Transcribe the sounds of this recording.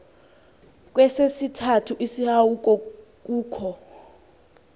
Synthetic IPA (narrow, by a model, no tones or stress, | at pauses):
k̬ʼwɛsesitʰatʰuʔisihawuk̬ʼɔk̬ʼuːkʰɔ